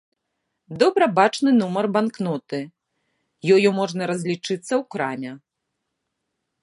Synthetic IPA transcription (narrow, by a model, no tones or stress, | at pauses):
d̪ɔbɾɐbat͡ʂnɨnumɐrbanknɔt̪ɨ | jɔjɔmɔʐnɐɾɐzʲlʲit͡ʂɨt̪sːɐwkɾamʲɛ